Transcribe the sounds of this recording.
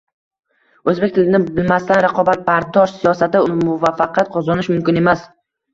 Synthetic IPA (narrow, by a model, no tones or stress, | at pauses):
ɵzbek̚ʲt̪ʰɪlɪnɪbɪlmast̪anɾaqɒbat̪̚baɾd̪ɒʃsijɒsat̪ɪʊnɪmʊvafːɑqʰɑt̪̚qʰɒzɒnɪʃmʊmkʲɪne̞mas